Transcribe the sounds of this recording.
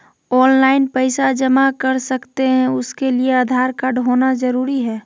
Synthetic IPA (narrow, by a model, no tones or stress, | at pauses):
ɔːnlaːɪnpəɪsad͡ʒəmakəɾsɐkt̪eɦɛ̃ʊskeliead̪ʱaːɾkaːɖɦoːnad͡ʒəɾuːɾiɦɛː